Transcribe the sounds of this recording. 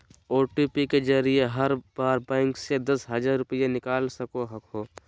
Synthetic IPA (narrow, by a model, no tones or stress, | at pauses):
oːʈiːpiked͡ʒəɾijeɦɐɾbaːɾbɛ̃ːŋksed̪ɐsɦɐd͡ʒaɾɾʊpəjenɪkaːlsɐkoɦɐkʰoː